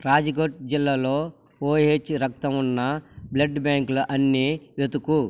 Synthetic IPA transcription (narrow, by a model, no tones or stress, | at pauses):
ɾaːd͡ʒiɡoʈ̚d͡ʒilːaːloː | oːɦeːt͡ʃɾɐkt̪ɐmunːɐblɐɖbaːŋklɐʔɐnːiʋet̪uku